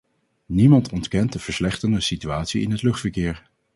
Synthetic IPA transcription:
nimɑntɔntkɛnt̚dəv̥əɹslɛχtəndəsityaːtsiɪ̰nɦətlɵχtfəɹkɪːɹ

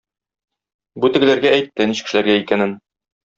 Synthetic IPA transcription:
but̪ɘ̆ɡɘ̆læɾɡæːjt̪ːɘniɕkɘ̥̆ʃɘ̆læɾɡæikænɘn

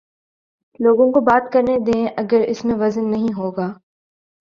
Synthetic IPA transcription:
loːɡõkobaːt̪kɐɾned̪ẽːʔɐɡəɾɪsmẽʋɐzənːɐɦĩɦoːɡaː

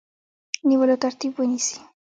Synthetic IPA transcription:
niβolot̪aɾt̪ibwenisi̥

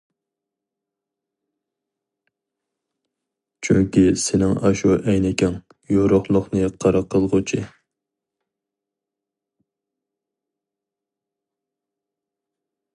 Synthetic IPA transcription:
t͡ʃʰyŋkʲisɪnɪŋɑ̰ʃuʔɛjnɪkʲɛŋ | joɾʊχlˠʊχnɨqʰɑɾɑqʰːəlˠʁʊt͡ʃʰi

